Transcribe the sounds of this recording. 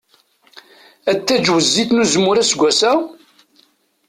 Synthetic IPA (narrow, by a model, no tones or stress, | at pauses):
æt̪ːæd͡ʒwəzːiθnuzmːʊɾæsɡʷːæsæ